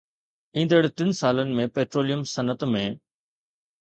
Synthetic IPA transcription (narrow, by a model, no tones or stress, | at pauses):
ĩːnd̪əɽɪt̪ɪnsaːlənɪ̆mẽpeːʈɾoːlijəmsɐnət̪mẽ